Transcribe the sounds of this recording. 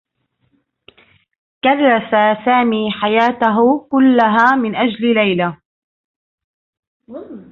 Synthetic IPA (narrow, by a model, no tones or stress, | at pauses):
kaðːasasaːmiːħajaːt̪aɦʊkʊlːaɦaːmɪnʔad͡ʒllajla